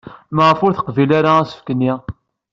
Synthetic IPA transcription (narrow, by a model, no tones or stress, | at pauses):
məʁəfʊɾθə̥qvilaɾaæsə̥fkənːi